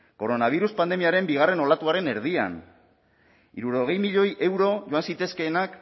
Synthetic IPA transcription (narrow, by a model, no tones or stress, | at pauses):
ko̞ɾo̞naβ̞iɾuspand̪e̞miaɾe̞mbiɣ̞are̞no̞lat̪uaɾe̞ne̞ɾð̞ia̰n | ḭɾuɾo̞ɣe̞jmiʎo̞jʔe̞wɾo̞ʝo̞ansit̪e̞ske̞ːnak